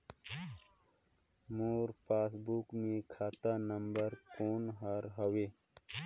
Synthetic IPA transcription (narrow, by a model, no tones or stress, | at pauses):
moːɾpaːsbuːkmẽkʰaːt̪anɐmbəɾkoːnɦaɾɦɐwe